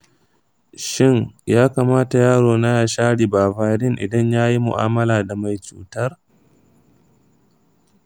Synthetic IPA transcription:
ʃɪ˦ŋjaː˦kaː˨maː˦ta˨jaː˦ɽoː˨na˦ja˨ʃaː˦ɽiː˨baː˨ɸaː˦ɽɪ˦ŋʔɪ̰˨dɐ˦ɲjaː˦ji˦mʊ̰˨ʔa̰ː˨mɐ˦laː˨da˨ma˨jt͡ʃṵː˨tɐ˦r

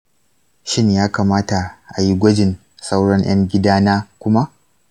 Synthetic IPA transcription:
ʃɪ˦njaː˦kaː˨maː˦ta˨ʔa˨ji˦ɡʷɐ˦d͡ʒɪ˨n | sa˦wɽɔ˦ɲj̰ɐ̰˦ŋɡʲɪ˦daː˦naː˦kʷʊ˦ma˦ʔ

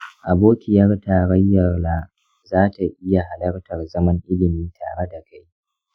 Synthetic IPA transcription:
ʔa˨boː˦kʲɪ˨jɐ˦rtaː˨ɽɐ˦jːɐ˨rla˦ | zaː˦ta˨ʔɪ˦ja˨ɦa˨lɐ˦rtɐ˨rzɐ˦mɐ˦ŋʔɪ˦lɪ˨miː˦tʰa̰ː˨ɽe˦da˨ka˦j

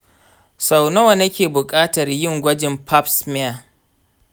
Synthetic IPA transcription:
sa˨wnɐ˦wɐ˨nɐ˦kʲeː˨bʊ˨kʼaː˦tɐ˨rjɪ˦ŋɡʷɐ˦d͡ʒɪ˨mpʰa˦psmɛ˦ja˨

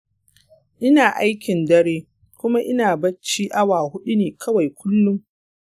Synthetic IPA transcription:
ʔɪ˦naː˨ʔa˦jkʲɪ˨ndɐ˦ɽeː˦ | kʷʊ˦ma˦ʔɪ˦naː˨bɐ˦t͡ʃːiː˦ʔa˦waː˨hʊ˦ɗu˦neː˨kʰɐ˦wa˨jkʷʊ˦lːʊ˦ŋ

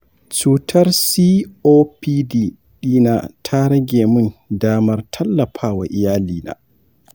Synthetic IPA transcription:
t͡ʃuː˨tʰɐ˦rsiː˦oː˦pʰiː˦diː˦˨ | ɗiː˦na̰˨tʰa˦ɾɐ˦ɡʲeː˨mʊ˦ndaː˦mɐ˦rtʰɐ˦lːɐ˨ɸʰaː˦wa̰˨ʔɪ˨jaː˦liː˦na̰˨

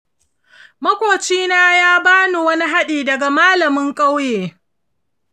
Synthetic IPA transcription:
mɐ˦kʷoː˨t͡ʃiː˦naː˦jaː˦baː˦nu˨wɐ˦ni˦ɦa˦ɗiː˨dɐ˨ɡa˨maː˦lɐ˨mɪ˦ŋkʼa˦wjeː˨

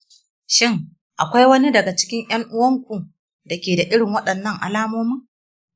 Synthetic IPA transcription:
ʃɪ˦ŋ | ʔa̰˨kʷa˦jwɐ˦ni˦dɐ˨ɡa˨t͡ʃɪ̥˦kʲɪ˦ŋj̰ɐ˦ŋʔʊ˦wɐ˦ŋkʷʼuː˨ | da˨kʲeː˨da˨ʔɪ˦ɽɪ˨ŋwɐ˦ɗɐ˨nːɐ˦˨ŋʔa̰˨laː˦moː˦mɪ˦ŋ

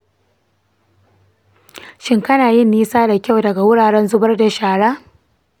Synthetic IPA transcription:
ʃɪ˦ŋkɐ˦naː˨jɪ˦˨nːiː˦saː˦da˨kʲa˦˨wdɐ˨ɡa˨wʊ˦ɽaː˨ɽɛ˦nzʊ˦bɐ˦rda˨ʃaː˨ɽaː˦

